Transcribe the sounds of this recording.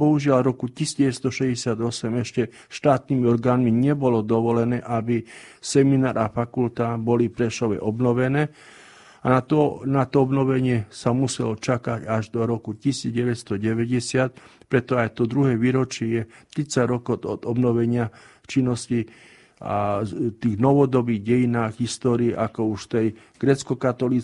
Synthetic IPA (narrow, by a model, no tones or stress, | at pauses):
bɔɦuʒɪalɾɔkucisiːd͡zɟɛʋɛst̪ɔʃɛzɟɛsɪad̪ɔsɛmɛʃcɛ | ʃt̪aːt̪niːmiɔɾɡaːnmiɲɛbɔlɔd̪ɔʋɔlɛnɛːʔabisɛminaːɾafakult̪abɔlipɾɛʃɔʋɛ̰ʔɔbnɔʋɛnɛː | aat̪ɔnat̪ɔɔbnɔʋɛɲɪɛsamusɛlɔt͡ʃakacaʒd̪ɔɾɔkucisiːd͡zɟɛʋɛcst̪ɔɟɛʋɛɟɛsɪat̪̚ | pɾɛt̪ɔajt̪ɔd̪ɾuɦɛːʋiːɾɔt͡ʃɪɛjɛt̪ɾit͡saɟɾɔkɔd̪ɔd̪ɔbnɔʋɛɲɪa | ft͡ʃinːɔsci | a̰t̪iːɣnɔʋɔd̪ɔbiːɣɟɛjinaːɣɦist̪ɔːɾiːʔakɔuʃft̪ɛj | ɡ̥ɾɛt͡skɔkat̪ɔliː